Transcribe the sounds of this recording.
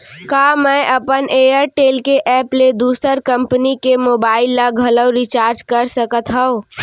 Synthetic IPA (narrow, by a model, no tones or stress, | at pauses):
kaːmɛ̃ʔəpəneːəɾʈeːlkeʔɛːpled̪uːsəɾkə̃mpənikemoːbaːɪlːaɡʱələwɾit͡ʃaːɾd͡ʒkəɾsəkət̪ɦɛ̃o